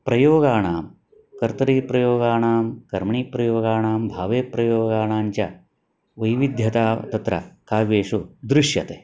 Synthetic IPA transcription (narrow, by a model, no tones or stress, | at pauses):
pɾɐjoːɡaːɳaːm | kɐɾt̪ɐɾiːpɾɐjoːɡaːɳaːmkɐɾmɐɳiːpɾɐjoːɡaːɳaːmbʱaːʋeːpɾɐjoːɡaːɳaːɲt͡ʃɐ | ʋɐjʋid̪ʱjɐt̪aːt̪ɐt̪ɾɐ̰kaːʋeːʂud̪ɾɪʃjɐt̪eː